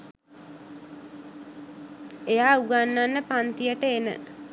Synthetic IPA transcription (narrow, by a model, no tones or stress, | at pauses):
ejaːuɡanːanːəpant̪ijəʈəenə̰